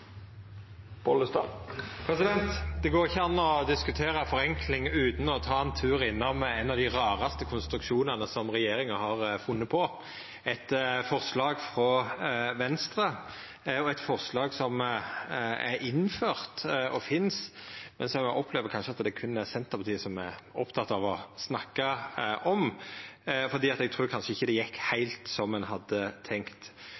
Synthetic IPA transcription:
b̥ɔləst̪ɑ̰ːpʰɾɛsɪd̪ɛnt̪d̪ɛɡoːɾɪçːəɑnːɔd̪ɪskʉt̪ʰeːɾɑfɔɾɛŋkʰlɪŋʉːt̪n̩ɔt̪ʰɑːɛnt̪ʰʉːɾɪnːɔmɛnɑʋd̪ɪʁɑːʁɑst̪əkʰʊnst̪ɾʉkʃuːnɑnəsɔmʁɛjeːɾɪŋɑhɑʁfʊnːəpʰɔ | ɛt̪fɔʁslɑːɡfɾɔʋɛnst̪ɾə | ɔɛt̪fɔʁslɑːɡsɔm | æɾɪnːføːʁt̪ɔfɪnsmɛnsɔmɛɡʔɔpʰːleːʋəɾkʰɑnʃəɑt̪d̪ɛkʰʉnːæsɛnt̪əɾpʰɑt̪iːəsɔmæɾɔpt̪ʰɑt̪ːɑʋɔsnɑkːɑʔɔm | fɔʁd̪iːɑt̪ɛɡ̚t̪ʰʁʉːkʰɑnʂəɪçːəd̪ɛjɛkːhæɪlt̪sɔmːɛnɦɑd̪ːət̪ʰɛŋkt̪

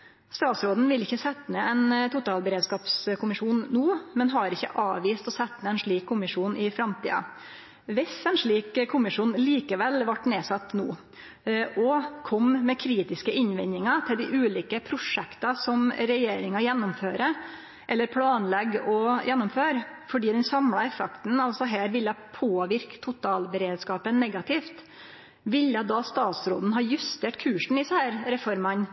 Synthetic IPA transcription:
st̪ɑːt̪sɾoːd̪n̩ʋɪlɪçːəsɛt̪ːnəɛnt̪ʰʊt̪ɑːlbəɾeːd̪skɑːpskʊmɪʂuːnːuːmɛnɦɑɾɪçːə̰ʔɑːʋiːst̪ɔsɛt̪ːnəɛnʂɭiːkʰːʊmɪʂuːnɪfɾɑmt̪ʰḭːɑ̰ | ʋɪsɛnʂɭiːkʰːʊmɪʂuːnliːkəʋɛlʋɑʈːneːsɑt̪ːnuː | ʔɔkʰɔmmɛkʰɾiːt̪ɪskəʔɪɲʋɪnːɪŋɑt̪ʰɪld̪ɪʔʉːliːkəpʰɾʊʂɛkt̪ɑsɔmɾɛjeːɾɪŋɑjɛnːʊmføːɾə | ʔɛlːəɾpʰlɑːnlɛɡɔjʔɛnːɔmføːɾfɔɖiːd̪ɛnsɑmɽɑɛfɛkt̪n̩ɑlsɔɦæːɾʋɪlːɑpʰoːʋɪɾkt̪ʰːʊt̪ʰɑːlbəɾeːd̪skɑːpənːɛɡɑt̪ɪːft̪ | ʋɪlːɑd̪ɑst̪ɑːt̪sɾo̰ːd̪n̩ɦɑːjʉst̪eːʈkʰʉːʂɳ̩ɪsɛhæːɾɾɛfɔɾmɑn

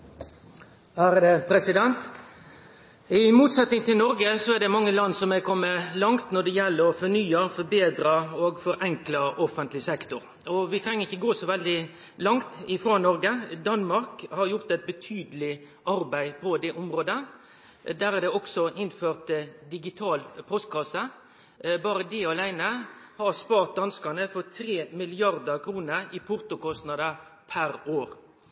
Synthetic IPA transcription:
hæːɾəd̪ɛpʰɾɛsɪd̪ɛnt̪ | ɪmuːt̪sɛt̪nɪŋt̪ʰɪlnɔɾɡəsɔɛd̪ɛmɑŋːəlɑnːsɔmɛkʰɔmːəlɑŋt̪nɔd̪ɛjɛlːəɾɔfɔɾnyːəfɔɾbeːd̪ɾɑoːɡfɔɾʔɛŋklɑɔfənt̪lɪsɛkt̪ʊɾ | ɔʋɪt̪ʰɾɛŋːəʁɪçːəɡoːsɔʋɛld̪ɪ | lɑŋt̪ɪfɾoːnɔɾɡəd̪ɑnmɑɾkhɑɾjʊʁt̪æɪt̪̚bət̪ʰyːd̪əlɪ | ʔɑɾbæɪpʰɔd̪ɛʔʊmɾoːd̪ə | d̪æːɾɑd̪ɛɔksɔʔɪnføːʁt̪d̪ɪɡɪt̪ʰɑːlpʰɔst̪̚kʰɑsə | bɑːɾəd̪ɪɑlæɪnəhɑɾspɑːɾt̪̚d̪ɑnskɑnəfɔɾt̪ʰɾeːmɪlɪɑɾd̪əkʰɾuːnəɾɪpʰʊʁt̪ʊkɔst̪nɑd̪əpʰæɾoːɾ

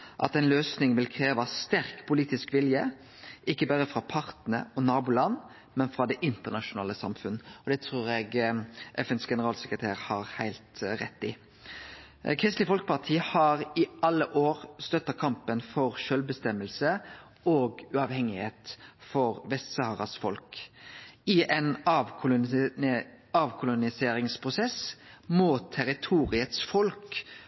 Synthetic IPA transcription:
ʔɑ̰t̪ɛnløːsnɪŋʋɪlkʰɾeːʋɑst̪æɾkpʰʊliːt̪ɪskʋɪljə | ʔɪkːəbæɾəfɾɑpʰɑʁt̪nə̰ɔnɑːbʊlɑnː | mɛnfɾɑd̪ɛʔɪnt̪əʁnɑʃʊnɑ̰ːləsɑ̰mfʉnɔd̪ɛt̪ʰɾuːɾɛɡʔɛ̰fɛnsɡɛnəɾɑːlsəkʁət̪ʰeːʁhɑʁhæɪlt̪ɾɛ̰t̪ːɪ | kʰɾɪst̪lɪfɔlkə̥pɑʁt̪ʰiːhɑɾɪʔɑlːəʔoːʁst̪œt̪ːɑkʰɑmpənfɔʁʃœlbəst̪ɛmːəlsə | oːɡʉɑʋhɛŋɪheːt̪fɔɾʋɛst̪sɑhʁɑsfɔlk | ɪʔɛnɑʋʰʊlʊ | ɑːʋkʰʊlʊnɪseːɾɪŋspʰʁʊsɛsmoːt̪ʰɛɾɪt̪ʰuːɾɪət̪sfɔlk

